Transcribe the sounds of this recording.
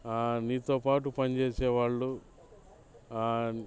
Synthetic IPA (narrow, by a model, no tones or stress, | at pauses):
aːniːt̪oːpaːʈupɐnt͡ʃeːsɛːʋaːɭːu